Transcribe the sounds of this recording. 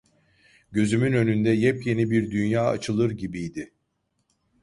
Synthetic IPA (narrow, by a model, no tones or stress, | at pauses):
ɟø̞zymynø̞nynd̪ɛjɛpje̞nibiɾd̪ynjaːa̰t͡ʃʰɯlˠɯɾɟibijd̪ɪ